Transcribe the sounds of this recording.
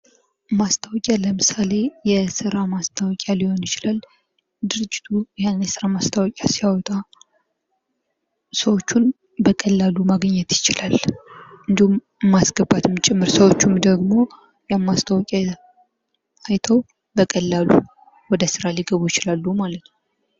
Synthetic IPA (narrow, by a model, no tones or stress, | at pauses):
mast̪ʰawɔkʼaləmɨsale̞jɛsɨɾamast̪ʰawɔkʼjaliho̞njɪt͡ʃɪlal | d̪ɨɾɨd͡ʒːɪ̥t̪ʰuhennjɛsɨɾamast̪ʰawɔkʼjasijawɔt̪ʼa | səwo̞t͡ʃːun | bəkʼəlːalumaɡɲːɛt̪jɪt͡ʃɪlalʔɨnd̪ihum | mːasɡəbːat̪mt͡ʃʼɪmːɨɾsəwo̞t͡ʃːumd̪əɡmo̞ | jɛmːast̪ʰawɔkʼa | ajt̪ʰəw | bəkʼəlːalu | wɔd̪əsɨɾaliɡəβujɪt͡ʃɪlalːumalət̪n